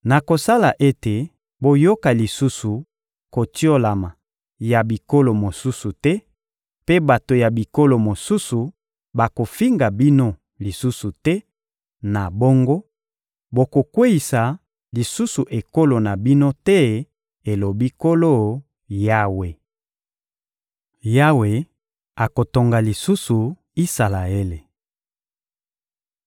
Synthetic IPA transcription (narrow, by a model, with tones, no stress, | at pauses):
na˨ko˨sa˦la˨ʔe˦te˨ | bo˨jo˦ka˨li˨su˦su˨ | ko˨ti˦o˦la˨ma˨ | ja˨bi˨ko˦lo˨mo˨su˦su˨tɛ˦ | pe˦ba˨to˨ja˨bi˨ko˦lo˨mo˨su˦su˨ | ba˨ko˨fi˦ŋɡa˨bi˦no˦ | li˨su˦su˨tɛ˦ | na˨bo˦ŋɡo˦ | bo˨ko˨kwe˦i˨sa˨ | li˨su˦su˨ʔe˨ko˦lo˨na˨bi˦no˦tɛ˦ | e˨lo˨bi˦ko˦lo˦˨ | ja˦we˨ | ja˦we˨ | a˨ko˨to˨ŋɡa˨li˨su˦su˨ | i˦sa˨la˨e˦le˨